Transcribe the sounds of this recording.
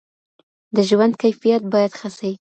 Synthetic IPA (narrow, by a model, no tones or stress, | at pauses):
d̪əʒwand̪̚kajfijat̪̚bɑjad̪xasawi